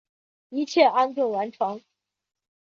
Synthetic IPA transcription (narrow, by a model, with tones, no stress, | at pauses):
i˧˥t͡ɕʰjɛ˥˩ʔa˥nt̪wʊ˥˩wa˧˥nʈ͡ʂʰɑ˧˥ŋ